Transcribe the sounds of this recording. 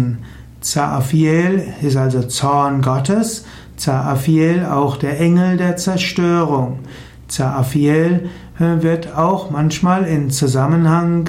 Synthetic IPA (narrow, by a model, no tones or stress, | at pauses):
n | t͡saʔafiɛlɪstalzot͡sɔɐnɡɔtəs | t͡saʔafiɛla̰ʊxd̥eːɐʔɛŋl̩deːɐt͡sɛɐʃtøːʁ̞ʊŋ | t͡saʔafiɛl | vɪɐtʰaʊxmançmaːlɪmt͡suzamənhaŋ